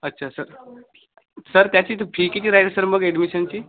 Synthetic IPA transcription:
ətːɕʰasəɾ | səɾt̪jat͡ɕiːt̪pʰikit͡ɕiːɾajʈsəɾməɡeɖmiɕənt͡ɕiː

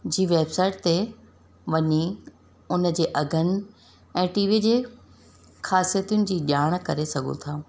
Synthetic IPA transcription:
d͡ʑiːʋeːbsaːɪʈ̚t̪e | ʋɐɲi | ʊnəd͡ʑeːʔɐɡʱənɪ̆ | ɛ̃ːʈiːʋid͡ʑeː | xaːsijət̪ijʊnɪ̆d͡ʑiːɗaːɽ̃kɐɾesɐɡʱṵ̃t̪ʰaː

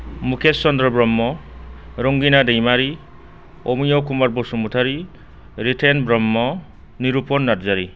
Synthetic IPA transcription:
mukʰesːɔnd̪ɾɔbɾɔmːɔ | ɾoŋɡinadejmaɾi | omijɔwkumaɾbɔsumut̪ʰaɾi | ɾitʰenbɾɔmːɔ | niɾupɔnːaɾzaɾi

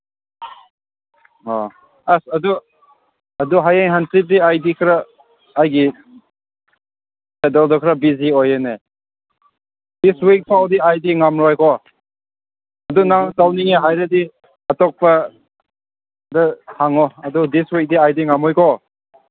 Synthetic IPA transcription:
ɔ | asɐdu | ɐduɦajaŋɦantɾip̚diajdikʰɾaː | jɡi | sadɔldɔkʰɾabiziɔjene | diswik̚pʰawdiajdiŋamɾɔjkʰɔ | ɐdunaŋtawniŋaɦajɾedi | ɐtɔk̚pɐ | dɯhaŋɔɐdudiswik̚diajdiŋamɔjkʰɔ

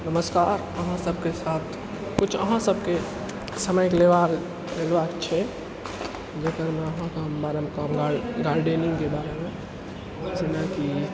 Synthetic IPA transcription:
nəməskaɾ | əɦãsəbʱkesat̪ʰ | kut͡ʃʰəɦãsəb̚ʱke | səməjkeleʋaɾ | lelbakt͡ʃʰɛ | d͡ʒekəɾmeəɦãkeɦəmbaɾemkamɡaɡaɾɖeniŋɡkebaɾeme | d͡ʒinaki

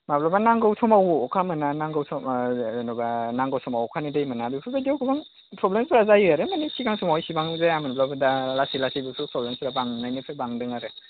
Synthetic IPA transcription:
maplabanaŋɡawsʰɔmawɔkʰamɯnanaŋɡawsʰɔnɔbanaŋɡawsʰɔmawɔkʰanidajmɯnabipʰɯbadiewɡɯbaŋ | pʰɾɔblemsɾazajaɾɯmanisʰiɡaŋsʰɔmawjsibaŋzajamanblabɯdaalasilasijbɯpʰɯpʰɾɔblemsɾabaŋnajnɯpʰɯbaŋdɯŋaɾɯ

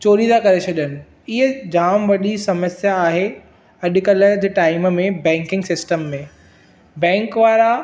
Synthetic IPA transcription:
t͡ɕoːɾizakɐɾesʰɐɗənɪ̆ | ɪɦəd͡ʑaːmʋɐɗisɐməsjaːɦe | ɐɗ̆kɐləd͡ʑʈaːɪmmẽbɛ̃ːŋkɪ̃ŋɡsɪsʈəmːẽ | bɛ̃ːŋkʋaːɾa

